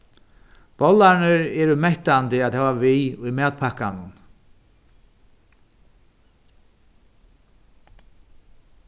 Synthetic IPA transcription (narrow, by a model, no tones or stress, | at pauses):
b̥ɔlaɾnɪɾɛːɾʏmɛht̪ant̪ɪaðhɛːvaviʊjmɛːt̪pʰakanʊn